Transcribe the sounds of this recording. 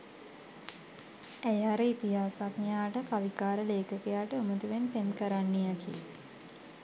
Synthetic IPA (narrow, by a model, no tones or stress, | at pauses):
æjɦaɾəit̪iɦaːsaknjaːʈəkaʋikaːɾəleːkəkejaːʈəomət̪uʋenp̪emkəɾanːejakḭ